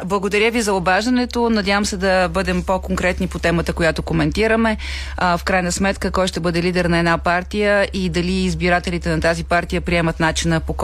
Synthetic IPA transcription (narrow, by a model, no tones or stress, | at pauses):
blˠəɡod̪ɐɾʲjəvizɐobaʒd̪ɐnɛt̪onɐd̪ʲjavəmsɛd̪ɐbɤd̪ɛmpokoŋkɾɛt̪nipot̪ɛmət̪əkojat̪okomɛnt̪iɾəmɛ | fkɾajnəsmɛt̪kəkɔjʃt̪ɛbɤd̪ɛlid̪ɛɾnɐɛdnapaɾt̪ijəid̪ɐliːzbiɾat̪ɛlit̪ɛnɐt̪azipaɾt̪ijəpɾiɛmət̪nat͡ʃinəpok